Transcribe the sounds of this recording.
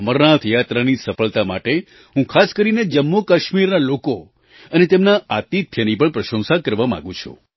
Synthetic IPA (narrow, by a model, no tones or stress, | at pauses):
əməɾnat̪ʰjat̪ɾanisəfəɭt̪amaʈe | ɦũkʰaskəɾined͡ʒəmːokaʃmiɾnaloko | ənet̪emnaat̪it̪ʰjənipəɳpɾəʃə̃ñsakəɾʋamã̰ɡũt͡ʃʰṵ